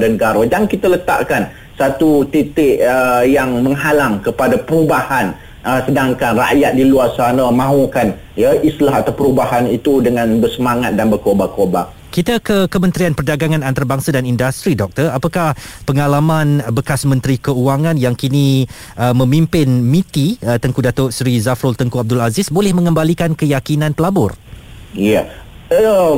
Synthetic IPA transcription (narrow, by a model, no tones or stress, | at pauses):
danəɡaɾodaŋkit̪alət̪a̰ʔkan | sat̪ut̪it̪ɪʔəjaŋməŋɦalaŋkəpadapəɾubahan | əsədaŋkanra̰ʔjat̪̚diluarsanamãɦukan | jaʔislaɦat̪awpəɾubaɦanit̪udəŋãnbərsəmaŋat̪̚danbərkobakoba | kit̪akəkəmə̃nt̪ɾianpərdaɡaŋãnant̪aɾabaŋsadanindast̪ɾidɔk̚t̪ərapakahpəŋalamanbəkasmə̃nt̪ɾikəuaŋanjaŋkini | ʔəmə̃mimpɪnmĩt̪iət̪əŋkudat̪ʊʔsɾizafɾɔlt̪əŋkuab̚dʊlazɪsbolɛhmə̃ŋəmbalikankəjakinãnpəlabʊrjaə